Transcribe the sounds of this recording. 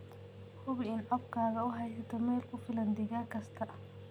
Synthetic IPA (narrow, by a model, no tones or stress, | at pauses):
hʊβɪɪnʕɔb̚kʰaːɣɐʊɦɛjsɐt̪ʰɔmɛːlkʰʊfɪlɐnd̪ɪɣaːkʰɐst̪ʰɐ